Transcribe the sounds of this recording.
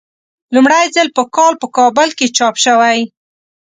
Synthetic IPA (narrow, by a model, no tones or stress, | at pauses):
lumɽajzəlpəkɑlpəkɑbʊlket͡ʃɑpʃəwaj